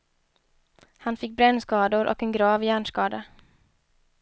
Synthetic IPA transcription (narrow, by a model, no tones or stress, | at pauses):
hanfɪk̚ːbɾɛnːskɑːd̪ʊɾʔɔ̰kɛnɡɾɑːvjæːɳʂkɑːd̪a